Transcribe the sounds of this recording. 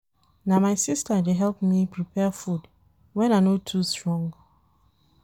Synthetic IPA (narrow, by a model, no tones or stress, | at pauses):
namaɪsistədeɦɛlpmipʰɹipʰɛfud | wɛ̃naɪnotʰustɹɔ̃ŋɡ